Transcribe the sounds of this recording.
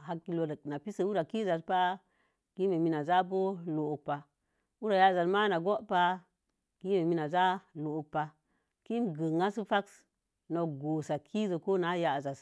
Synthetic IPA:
ha˨kːi˨lo˨də˨kna˨pi˦sə˨wu˦ɾa˨ki˦za˨tpa˦ | ki˦me˨mi˦na˨za˦bo˦lo˨o˨k̚pa˨ | u˦ɾa˨ja˦˨za˨tma˦na˨ɡo˦ʔpa˦ | ki˦me˨mi˦na˨za˦lo˨o˨k̚pa˨ | ki˦mɡə˨ŋa˦su˦fa˦ks | no˨ɡo˨sa˨kʰi˦zə˨ko˦na˦ja˨za˨s

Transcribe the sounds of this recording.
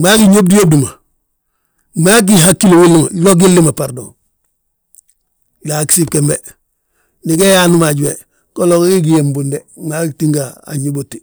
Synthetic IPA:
ma˦ki˦ɲo˦b̚di˦jo˦b̚du˨ma˨ | ma˦k̬iɦakːi˦lo˨wi˦lːi˦ma˨lo˦ɡ̬i˦lːi˦ma˨paɾdo˨ | la˨ki̥˨si˦pke˨mbe˨ | ni˨ke˦ja˦nu˦ma˨ɟwe˨ | ko˦lo˨kki˦ɡi˨je˨mbunde˨ma˦kti˦ŋɡaa̰ɲi˦botːi̥

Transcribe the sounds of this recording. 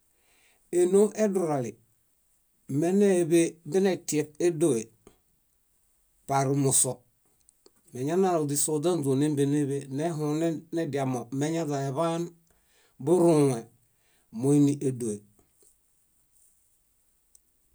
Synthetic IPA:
e˨no˦ŋe˦du˨ɾa˨li˨ | me˦ne˦˨be˦bi˦ne˨ti˨e˨k̚e˦do˦˨we˨ | pa˨ɾu˨mu˨so˨ | me˨ɲa˦na˦ɾo˨di˨so˨da˦nd͡ʒo˨ne˦mbe˨ne˦βe˦ne˦ɦu˨ne˦ne˦di˨a˨mo˨me˦ɲa˦da˨e˨βa˦n | bu˦ɾu˨ŋe˨ | mo˨i˦ni˦ʔe˨do˨e˨

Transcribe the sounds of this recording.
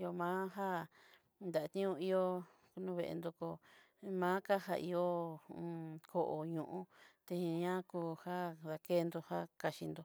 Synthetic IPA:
jo˧mãː˦ɦa˦ | nd̪a˨a˧t̪ĩ˦ũ˧i˧jo˧ | ku˧nũ˦˧βḛ˧ʔḛ˧nd̪o˧ko˧ | mãː˦ka˦ɦa̰˧ʔḭ˧jõ˦˧ | kʰo˧ʔo˧˨ɲũ˧˨ʔũ˧˦t̪e˧ĩ˧ɲã˦kuː˧ha˦ða˧ke˦˧nd̪o˧ha˦ka˧ʃi˧nd̪o˧

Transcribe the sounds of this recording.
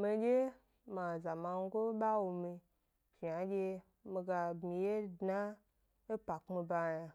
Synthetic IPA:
mi˧ɡʲe˦ | ma˨za˨ma˧ŋ˦ɡo˦ɓa˦wu˧mi˧ | ʒi˨a˨ɡʲe˧ | mi˧ɡa˧bmi˧je˦dna˦ | e˦pa˨kmi˧ba˧ja˧

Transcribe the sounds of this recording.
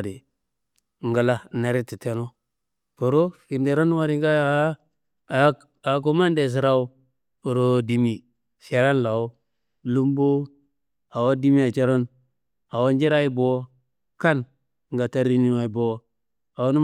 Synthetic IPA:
di˨ | ŋɡə˨la˦˨na˨ɾi˦ti˨te˦no˦ | po˨ɾo˦fi˨ɾde˨ɾo˦n˦a˦˨ɾi˨˦ŋɡa˦˨˦ | a˨k̬o˦ma˦nde˨s̬i˨ɾa˦u˦˨ | ɾo˨di˨mi˨ | sa˨ka˦nla˨o˦ | lu˦mbo˦ | a˨wo˦di˦mi˦a˨t͡ʃe˦ɾo˦n | a˨wo˦nd͡ʒi˦ɾa˦i˦bo˨˦ | ka˦n | ŋɡa˨ta˦ɾi˦ni˦wa˨i˨bo˨˦ | a˨wo˦nu˦

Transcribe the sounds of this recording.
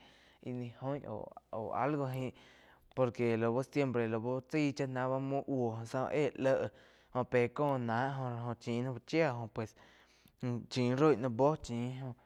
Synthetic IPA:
i˧nĩ˧hõ˦jʔo̰˨o̰˨a̰˦lɡo˧ɦĩ˧ʔ | po˧ɾke˨lo˨bo˦sje˧mpɾe˨lo˨bo˦t͡siː˦˨t͡ʃa˦ʔnã˧˦βa˦mũ˦ʔwo˨ɦõ˧˨sã̰˧ʔeː˦˨lə˧ʔ | hõ˧peː˨kõː˦˧˨nãː˨˦ʔɦõ˧ɾa˧ɦõ˧˨t͡ʃĩː˨˦nã˦ba˧t͡ʃja˦˨ɦõ˧˨pwe˨s | t͡ʃĩː˨˦ɾo˦˨nã˧bo˦t͡ʃĩː˨˦ɦõ˧ʔ

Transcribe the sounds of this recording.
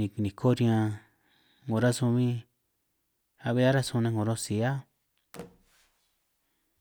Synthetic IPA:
ĩ˨nĩ˨kʰo˦ɾĩ˧ã˧ | ŋõ˨ɾa˦sũ˧mĩ˦ | a˧βe˧˦a˦ɾa˦sũ˧nẽ˧ŋõ˨ɾo˦si˨a˦

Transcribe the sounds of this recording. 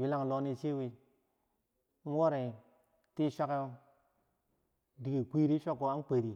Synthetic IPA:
wi˦la˦ŋ˨lo˦ni˦t͡ʃe˦wi˦ | n̩˦wo˦ɾe˨ | ti˦ʃʷa˦k | di˨ɡi˨kʷi˦ɾi˦ʃa˦kːo˨a˦n˦k͡pe˨ɾi˨

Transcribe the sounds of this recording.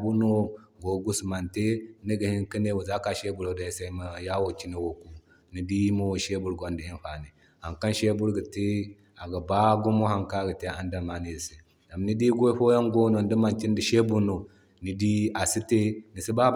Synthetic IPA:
bu˦no˦ɡo˨ɡu˦sma˨nte˦ni˦ɡə˨hi˦nki˦ne˦wu˨za˦ka˨ʃe˦bu˨ɾo˨da˨i˦sa˦ma˨ja˦wo˨t͡ʃi˦ne˨wo˨ku˦ | ni˨di˦i˦mo˦wo˨ʃe˦bu˨ɾɡo˨ndi˨i˦n˦ɸa˨ni˨ | ha˨ŋka˦nʃe˦bu˦ɾɡə˨te˦ | a˨ɡa˨ba˦ɡu˦mo˦ha˨ŋka˦˨ɡə˨te˦a˦nda˨ma˨ni˨si˨ | da˨mni˦di˦ɡo˦ɸo˦ja˦ŋɡo˦no˨n˦di˦ma˨nt͡ʃi˦ndi˨ʃe˦bu˦no˨ | ni˨di˦a˨si˦te˦ni˨si˦ba˦

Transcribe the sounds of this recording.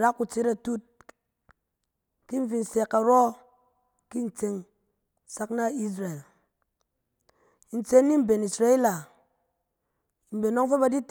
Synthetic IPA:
ɾa˦kːu˨t͡se˦ɾa˨tu˦t̚ | ki˦ɱ̩˦fi˨n̩˨sɛ˨kːa˨ɾɔ˦ | ki˦n̩˨t͡se˨ŋ˨ | sa˦kna˦˨i˦s̬ɾa˨e˨l | n̩˨t͡se˦n˦ni˦m̩˨˦be˨ni˨sɾa˦i˦la˨ | m̩˨be˨no˦ŋfe˦ba˨di˦t

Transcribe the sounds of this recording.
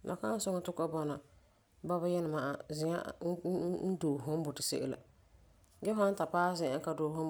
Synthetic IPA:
nʔa̰˨ka˦n˦sʊ˦ŋɔ˦tʊ˦ka˦bɔ˦na˨ | ba˦ba˦jɛ˦lɪ˨ma˨ʔa̰˨zɪ˨a̰˦ | n̩˦doː˨ɦʊ˦m˦bʊ˨tɪ˨sḛ˦ʔḛ˦la̰˨ | ɡɛ˦fa˦n˦ta˨paː˦zɪ˨a˦ka˦doː˨hʊ˦

